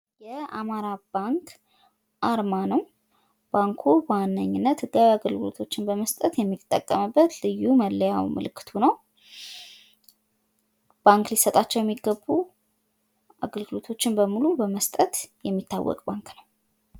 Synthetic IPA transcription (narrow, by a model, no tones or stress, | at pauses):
jɛamaɾabaŋkʰ | ʔaɾmanəw | b̥aŋkʰuwanːəɲːɪnːət̪hɨɡːawiaɡəlɡɨlo̰t̪ʰo̞t͡ʃːɪnbəməst̪ʼət̪jɛmːit̪ʼːə̰kʼːəmɨbːət̪lɨjːuməlːəjawmɨ̰lɨkːɨ̥t̪ʰunəw | b̥aŋklisət̪ʼat͡ʃːɛwjɛmːiɡːəbːu | ʔa̰ɡəlɡɨlo̞t̪ʰo̞t͡ʃːɪnbəmulubəməst̪ʼət̪jɛmːit̪ːa̰wːɔ̰kʼbaŋknəw